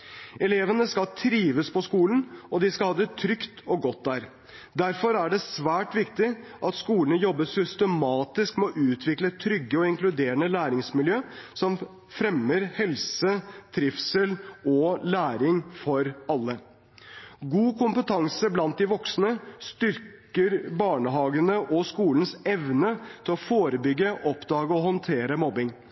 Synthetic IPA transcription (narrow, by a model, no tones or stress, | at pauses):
ɛleːʋənəskɑlt̪ʰɾiːʋəspʰɔskuːlənɔd̪ɪskɑlhɑːd̪ɛt̪ʰɾʏkt̪ɔɡɔt̪̚d̪æɾ | d̪æɾfɔɾæɖɛsʋæːʈʋɪkt̪ɪ | ʔɑt̪skuːlənəjɔbːəsʏst̪əmɑːt̪ɪskmɛɔʔʉːt̪ʰʋɪklət̪ʰɾʏɡːəɔɪŋklʉd̪eːɾəɳəlæːɾɪŋsmɪljøːsɔm | fɾɛmːəɾhɛlsət̪ʰɾɪfsəlɔlæːɾɪŋfɔɾɑlːə | ɡuːkʰʊmpət̪ʰɑŋsəblɑnt̪̚d̪ɪʋɔksnəst̪ʏɾkəɾbɑːɳəɦɑːɡənəʔɔskuːlən̩sɛʋnət̪ʰɪlɔfoːɾəbʏɡːəʔɔpd̪ɑːɡəɔhɔnt̪ʰeːɾəmɔbɪŋ